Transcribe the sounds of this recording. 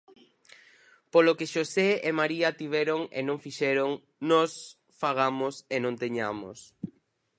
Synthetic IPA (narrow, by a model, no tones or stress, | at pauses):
polokeʃoseemaɾiɐt̪iβ̞ɛɾoŋḛnõŋfiʃɛɾoŋ | nɔs | faɣ̞amʊsenõnt̪eɲamo̰s